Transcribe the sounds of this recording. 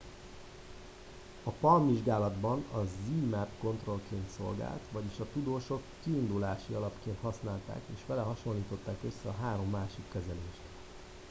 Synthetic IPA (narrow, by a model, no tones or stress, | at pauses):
ɒpɒlmviʒɡaːlɒd̪bɒnɒziːmɛpko̞nt̪ro̞lkeːnt̪so̞̰lɡa̰ːlt̪ʋɒɟiʃɒt̪ud̪oːʃo̞kːiːnd̪ulaːʃiɒlɒpkeːnt̪hɒsnaːlt̪a̰ːkeːʃʋɛlɛɦɒʃo̞nliːt̪o̞t̪ːaːkø̞sːɛɒɦaːɾo̞mːaːʃikːɛzɛleːʃt̪